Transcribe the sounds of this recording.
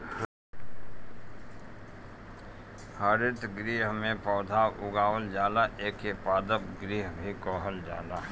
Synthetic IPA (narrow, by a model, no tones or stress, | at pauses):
haɾɪt̪ɡɾiːɦmẽpɔːd̪ʱaːwʊɡaːʋəld͡ʒaːlaʔeːkʰepaːd̪əpɡɾiːɦbʱikɔːɦəld͡ʒa̰ːlaː